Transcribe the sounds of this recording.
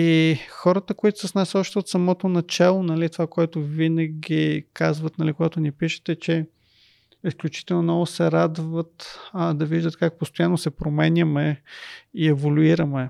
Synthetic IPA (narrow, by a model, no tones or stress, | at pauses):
ixɔɾət̪əkoit̪ʊ̥səsnasɔʃt̪ɛot̪sɐmɔt̪onɐt͡ʃɛlˠonɐlit̪ovakoɛt̪ʊvinɐɡʲikazvət̪nɐlikoɡat̪ʊnipiʃɛ̥t̪ɛt͡ʃɛ | isklʲut͡ʃi̥t̪ɛlˠnomnɔvʊsɛɾad̪vət̪d̪ɐviʒd̪ət̪kak̚post̪ojanːosɛpɾomɛnʲjəmɛ | iɛvolʲuiɾəmɛ